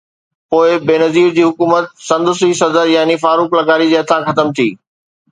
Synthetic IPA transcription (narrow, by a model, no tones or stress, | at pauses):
poːɪbeːnɐziːɾd͡ʑiːɦʊkuːmət̪̚sɐ̃nd̪ʊsisɐd̪əɾjaːnifaːɾuːklɐɡaːɾid͡ʑeːɐt̪ʰãxɐt̪əmt̪ʰiː